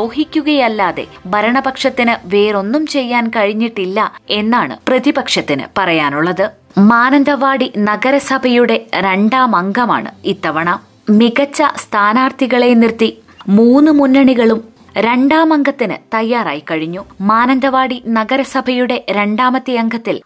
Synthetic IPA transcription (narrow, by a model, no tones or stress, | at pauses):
oːɦikʲːuɣɐjɐlːaːðe̞̰ | bʱɐɾɐɳɐbɐkʂɐt̪ːinɨʋe̞ːɾo̞nːumt͡ɕe̞jːaːnkɐɻiɲːiʈːilːɐe̞nːaːɳɨ̰prɐðibɐkʂɐt̪ːinɨ̰pɐrɐjaːnuɭːɐðɨ | maːnɐnd̪ʱɐʋaːɽinɐɡɐɾɐsɐbʱɐjuɽe̞ɾe̞ɳɖaːmɐŋɡɐma̰ːɳɨ̰iːt̪ːɐʋɐɳɐm | miɣɐt͡ɕːɐst̪ʰaːnaːrt̪ʰiɣɐɭe̞nirt̪i | muːnːɨmunːɐɳiɣɐɭum | ɾe̞ɳɖaːmɐŋɡɐt̪ːinɨ̰t̪ɐjːaːra̰ːjikɐɻiɲːumaːnɐnd̪ʱɐʋaːɽinɐɡɐɾɐsɐbʱɐjuɽe̞ɾe̞ɳɖaːmɐt̪ːijɐŋɡɐt̪ːil